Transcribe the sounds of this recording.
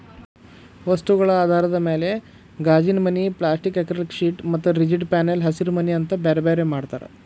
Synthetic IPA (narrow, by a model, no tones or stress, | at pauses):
ʋɐst̪uɣɐɭɐaːd̪ʱaːɾɐd̪ɐmeːle̞ | ɡaːd͡ʒinmɐniplaːsʈikːekɾɐlkʂiːʈmɐt̪ːuɾid͡ʒiɖpaːnelɦɐsiɾmɐniɐnt̪ɐbeɾbeɾjemaːɽt̪a̰ːɾḛ